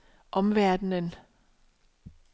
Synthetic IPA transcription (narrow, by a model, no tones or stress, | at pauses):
ʔɒ̽mʋæɐd̥n̩ən